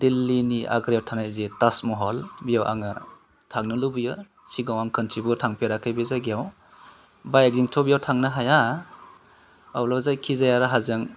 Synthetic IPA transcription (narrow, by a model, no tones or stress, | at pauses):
dilːiniʔa̰ɡɾjawtʰanajzitasmɔɦɔlbijawʔa̰ŋa | tʰaŋnɯlubijɯ | siɡawaŋkʰɯnsʰibutʰaŋpʰeɾakʰɯjbizaɡijaw | bajak̚ziŋtʰɔbijawtʰaŋnaɦaja | awlazajkʰizajaɾaɦazɯŋ